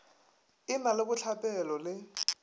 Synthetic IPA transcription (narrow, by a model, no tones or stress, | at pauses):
ɪmalɪkʊt͡ɬʰapʼɛlɔlɪ